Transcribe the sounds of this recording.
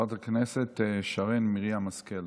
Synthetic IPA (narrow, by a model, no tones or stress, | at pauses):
at̪akneset̪ʃaʁenmiʁiamaskel